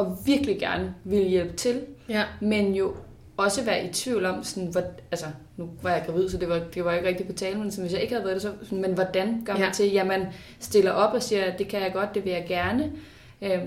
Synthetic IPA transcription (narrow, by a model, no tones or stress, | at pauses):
ɒ̽ʋiɐɡ̥liɡ̥æɐnəʋeləjel̰b̥ə̥t͡sʰe̝lmenjo̝ | ɒ̽səʋæːɐʔit͡sʰʋiʊlɒ̽msɔnʋɒælsə | nuʋɑ̈jɑ̈ɪɡ̥ʁɑ̈ʋið̰ˠsɒ̽d̥e̝ʋɑ̈d̥e̝ʋɑ̈jeɡ̥ʁeɡ̥̚d̥ipʰɒ̽t͡sʰɛːlmensn̩ʋe̝sjɑ̈ɪeɡ̥hæðˠæɐd̥esɒ̽sɔnmenʋɒd̥ænɡ̥ɶ̰ɐ̰mænt͡sʰe̝ljæmæn | sd̥e̝lɐʔɒ̽b̥ɒ̽siːɐd̥e̝kʰæjɑ̈ɪɡ̥ɒ̽d̥̚d̥e̝ʋe̝jɑ̈ɪɡ̥æɐnə | ø